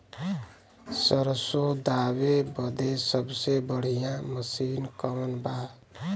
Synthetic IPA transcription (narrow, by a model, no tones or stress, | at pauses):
səɾəsod̪awebəd̪esəbsebəɽ̤ijãməsinkəmənba